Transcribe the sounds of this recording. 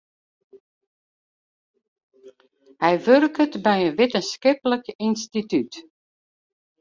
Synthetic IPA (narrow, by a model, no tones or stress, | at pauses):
hɛjʋørkətbɛjənʋɪtənskɪpələkinstityt